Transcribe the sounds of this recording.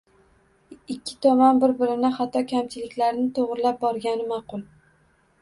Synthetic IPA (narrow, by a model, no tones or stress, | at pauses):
ɪɪkʲʰːɪ̥t̪ʰɒmanbɪɾbɪɾɪnɪχat̪ʰːɒkʲʰamt͡ʃʰɪlɪkʲlaɾnɪt̪ʰoʁɾɪlap̚bɒɾɡʲanɪmaqʊlˠ